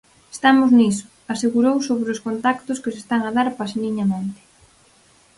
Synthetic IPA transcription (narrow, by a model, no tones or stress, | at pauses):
e̥st̪amʊznisʊ̥ | aseɣuɾowsoβɾeʊskont̪akt̪ʊskɪsest̪aŋaðaɾpaseniɲament̪ɪ̥